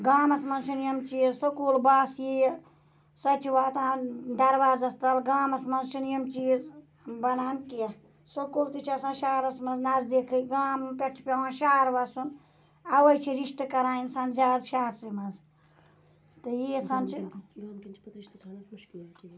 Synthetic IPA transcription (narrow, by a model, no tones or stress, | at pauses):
ɡaːmɐsmɐnzsinijɐmt͡ʃiːzsokulbaːsjij | sɐt͡ʃiwaːt̪ãːd̪ɐɾʋaːzɐst̪ɐlɡaːmɐsmɐnzsinijɐmt͡ʃiːz | bɐnaːnkijɐ | sokolt̪it͡ʃʰasɐ̃nʃaːɾɐsmɐnznazd̪ekʰɨɡaːmpeʈʰpʲeãʃaːɾʋɐsun | ɐwɐjt͡ʃʰiɾiʃt̪ɨkɐɾaːinsʰɐnd͡ʒaːdʃaːt̪simɐz | t̪ɨjit͡sʰɐnt͡ʃʰiɡaːmkint͡ʃʰipɐt̪ɾiʃt̪ʰːk